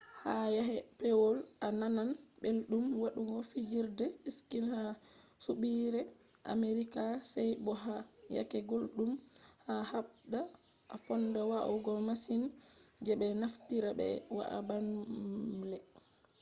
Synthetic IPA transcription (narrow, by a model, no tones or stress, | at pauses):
hajaɦɛpɛwɔlʔanananbelɗumwaɗuɡɔfid͡ʒiɾdɛiskinha | suɓiɾɛ | ʔa̰meɾikasɛjbɔɦaja̰kɛɡolɗumhahaɓɗa | ʔa̰fɔnːdɛwaʔɔ̰ɡɔmasind͡ʒɛbɛnaftiɾabɛ̰wa̰ʔa̰ban | lɛ